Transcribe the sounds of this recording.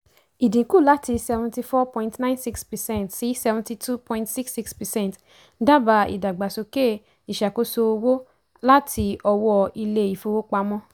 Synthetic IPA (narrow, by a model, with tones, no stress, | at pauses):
i˨dĩ˨˦ku˦˨la˦ti˧sɛ˧vũ˧ti˧fɔ˦pɔ̃˧ĩntnã˦nsi˦kspɛ˨sɛ̃˦˨ntsi˨˦sɛ˧vũ˧ti˧tʰu˦pʰɔ̃˧ĩntsi˦ksi˦kspɛ˨sɛ̃˦˨nt | da˦ba˧˦ḭ˨da˨ɡ͡ba˨so˧ke˦˨ | i˨ʃa˨ko˧˦so˧wo˦ | la˦tʰi˧ɔ˧wɔ˧i˧le˧˦i˨fo˨˧wo˦k͡pa˧mɔ̃˦